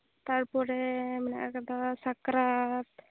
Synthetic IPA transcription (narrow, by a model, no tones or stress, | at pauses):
t̪aɾpɔɾɛmɛna̰ʔkad̪asakɾat̪